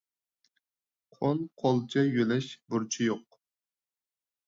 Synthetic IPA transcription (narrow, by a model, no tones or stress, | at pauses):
qʰonqʰɑlˠt͡ʃʰɛjølɛʃbuɾt͡ʃʰijoq̚